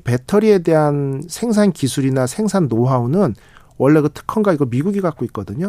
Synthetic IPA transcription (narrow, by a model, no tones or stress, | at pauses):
pe̞tʰʌɾie̞de̞ɦansʰe̞ŋs̬ʰankisʰuɾinasʰe̞ŋsʰanːoɦaunɯn | wʌɭːe̞ɡatʰɯ̥kʰʌnɡaiɡʌmiɡuɡiɡak͈̚oit̚k͈ʌdɯɲo